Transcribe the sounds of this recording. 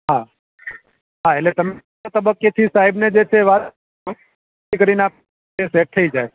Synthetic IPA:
ɦa | ɦaelet̪əm | t̪əbəkːet̪ʰisaɦibned͡ʒet͡ʃʰeʋat̪ | ikəɾinap | eseʈ̚t̪ʰəid͡ʒaj

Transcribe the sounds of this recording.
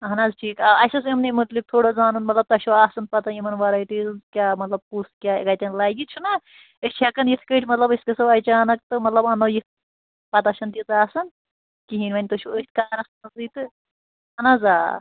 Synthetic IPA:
ɦɐnazʈʰiːkɐɐjsɐsimnimɐt̪lik̚t̪ʰoːɽozaːnunmɐt̪lɐb̚t̪ɐʃuaːsɐnpɐt̪ɐimɐnʋaɾɐjʈiːzɐnzkʲaːmɐt̪lɐb̚kuɾskʲaːkɐjt̪ʲɐnlaːjɡit͡ʃʰunɐ | əst͡ʃʰakɐnjit̪ʰkəjʈʰmɐt̪lɐbɐskesɐɐjt͡ʃaːnɐk̚t̪ɨmɐt̪lɐbɐnojit̪̚ʰ | pɐt̪ɐʃɐnt̪it̪aːsɐn | kiɦinʲʋɐnʲt̪oʃʰuəst̪̚ʰkaːɾɐsnɐzɨt̪ɨ | ɐnazaː

